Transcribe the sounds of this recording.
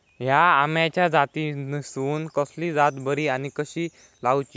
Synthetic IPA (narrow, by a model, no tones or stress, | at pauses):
ɦjaamjãt͡ɕjad͡zat̪inisuːnkəsliːd͡zat̪bəɾiːañikəɕiː | lawt͡ɕiː